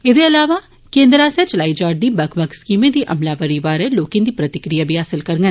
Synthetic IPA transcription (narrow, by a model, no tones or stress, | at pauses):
ɪd̪eəlaːʋa | kẽːnd̪ɾaːsɛt͡ʃəlaːid͡ʒaːɖd̪iːbɐkʰbəkskiːmẽd̪iːʔɐ̰mlaːpəɾiʋaːɾɛloːkẽd̪iːpɾət̪ɪkɾijaːbʱiɦaːsɪlkəɾɡən